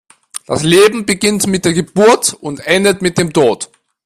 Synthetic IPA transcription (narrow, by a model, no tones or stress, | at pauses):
d̥a̰sleːbm̩bəɡɪntmɪt̚d̥eːɐɡəb̥uɐtʊntʔɛndətmɪt̚d̥eːmtʰoːt